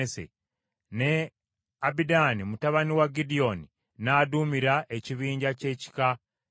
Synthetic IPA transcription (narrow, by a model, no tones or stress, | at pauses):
esḛ | ne̞ | abidanimutaβaniwaɡidio̞ni | nadumiɾaʔeciβiːɲɟace̞ci̥ka